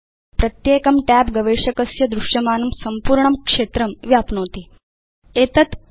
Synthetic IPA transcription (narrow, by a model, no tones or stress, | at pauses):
pɾɐt̪jeːkɐmʈæːpɡɐʋeːʂɐkɐsjɐd̪ɾuʃjɐmaːnɐmsɐmpuːɾɳɐmkʂeːt̪ɾɐmʋjaːpnoːt̪i | eːt̪ɐt̪